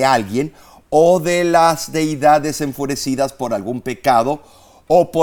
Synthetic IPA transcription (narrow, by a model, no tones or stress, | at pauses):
ealɣje̞n | oðe̞lazde̞jðae̞se̞ɱfuɾe̞siðaspo̞ɾalɣumpe̞kað̞o̞ | opo